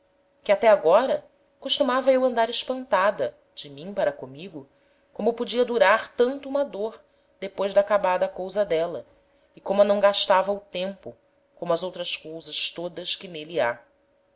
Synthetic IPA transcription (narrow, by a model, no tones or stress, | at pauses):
kɪat̪ɛaɡɔɾɐ | koʃt̪umavɐewɐ̃nd̪aɾɪʃpɐ̃nt̪ad̪ɐ | d͡ʒɪmĩŋpaɾɐkomiɡʊ | kõmʊpod͡ʒiɐd̪uɾaɾt̪ɐ̃nt̪ʊumɐd̪oɾ | d̪̥epojzd̪ɐaːkabad̪ɐːkowzɐd̪ɛlɐ | ɪkõmʊɐnɐ̃w̃ɡaʃt̪avɐut̪ẽmpʊ | kõmʊɐzowt̪ɾɐskowzɐʃt̪od̪ɐskɪnelia̰